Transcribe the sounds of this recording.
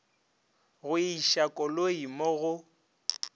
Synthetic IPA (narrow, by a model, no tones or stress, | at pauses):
ɣʊiʃakʼɔloimoɣʊ